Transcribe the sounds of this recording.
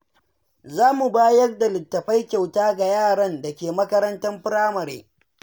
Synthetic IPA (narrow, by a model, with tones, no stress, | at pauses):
zaː˦mu˨baː˦jɐ˦rda˨lɪ˨tːɐ˨ɸɐ˦jkʲa˨wtaː˦ɡa˨jaː˦˨ɽɐ˦ndɐ˨kʲeː˨mɐ˦kɐ˦ɾɐ˦ntɐ˦mɸɪ˦ɾaː˦mɐ˨ɾḛː˦